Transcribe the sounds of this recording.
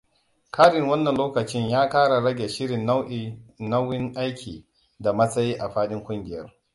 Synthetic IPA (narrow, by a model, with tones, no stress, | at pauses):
kʰaː˦ɾɪ˨ŋwɐ˦nːɐ˨nloː˦kɐ˨t͡ʃɪ˦ɲjaː˦kaː˦ɽa˨ɽɐ˦ɡʲe˨ʃɪ˦ɽɪ˨n˦nɐ˦wɪ˦ŋʔa˦jkʲʰḭː˨ | da˨mɐ˦sɐ˦jiː˦ʔa˨ɸaː˦ɗɪ˦ŋkʷʊ˦ŋɡʲɪ˨jɐ˦r